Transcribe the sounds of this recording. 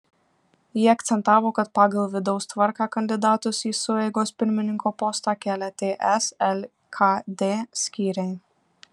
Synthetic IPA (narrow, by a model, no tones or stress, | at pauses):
jiɛɐk̚t̪sʲɛnt̪ɑːʋoːkɐt̪̚pɑːɡɐlˠʋʲɪd̪ɔʊst̪ʋɐɾkɑːkɐnʲd̪ʲɪd̪ɑːt̪ʊsiːsʊɛɪɡoːspʲɪɾʲmʲɪnʲɪŋkoːpɔːst̪ɑːkʲæːlʲɛt̪ʲeːʔɛsɛlʲ | kʰɑd̪ʲeːsʲkʲiːɾʲɛɪ